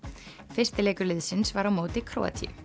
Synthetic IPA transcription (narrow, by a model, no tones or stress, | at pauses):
fɪr̥st̪ɪlɛːkʏlɪðsɪnsvaɾawmoːt̪ɪkʰɾo̰ːa̰t̪ʰḭ